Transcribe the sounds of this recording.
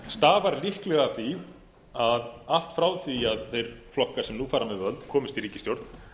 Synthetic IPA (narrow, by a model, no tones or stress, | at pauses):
st̪aːvaɾlihklɛɣaθi | aðal̥t̪fɾaːwθiaðθejɾ̥flɔhkḁsɛmnufaːɾamɛðvœlt̪kʰɔːmɪst̪iriːcɪst̪jowɾt̪n̥